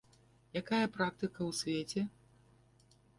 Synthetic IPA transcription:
jakajɐpɾak̚t̪ɨkɐwsʲvʲet͡sʲɛ

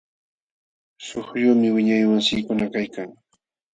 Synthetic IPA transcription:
soχʎuːmɪwɪɲajwaŋsɪːkʊnakajkaŋ

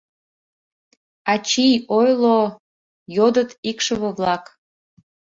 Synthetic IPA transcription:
ɑt͡ɕijojlˠo | jod̪ət̪ikʃəβəβlɑk

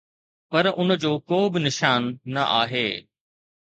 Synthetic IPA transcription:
pɐɾʔʊnd͡ʑoːkoːbɪnɪʃaːnːɐʔa̰ːɦeː

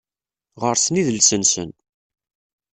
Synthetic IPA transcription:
ʁəɾsniðəlsənsə̰n

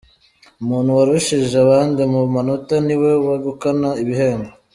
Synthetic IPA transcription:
umuːn̤̥huwaɾuʃiʒeaβaːndimumanutaniwe̞waɡukanaiβiɦe̞ːŋɡa

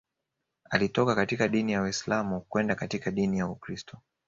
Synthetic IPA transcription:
a̰litɔkakatikaɗinijawaislamukwɛndakatikaɗinijaukɾistʰɔ

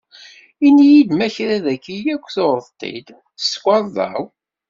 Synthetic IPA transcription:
inijid̪mæçɾæðækːijækʷːθoɾəðt̪ˤːḭd̪ | sːkʷɑɾˤðˤɑ̰w

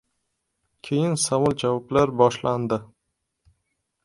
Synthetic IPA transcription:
kʲʰejɪnsamʊlˠd͡ʒavɒplaɾbɒʃland̪ɪ

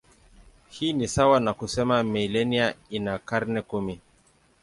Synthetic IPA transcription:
hiːnisawanakusɛmamɛilɛniainakaɾnɛkumi

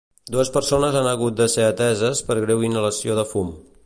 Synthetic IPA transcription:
d̪uəspəɾsonəzanəɣut̪̚d̪əseət̪ɛzəspəɾɣɾewinələsioðəfum

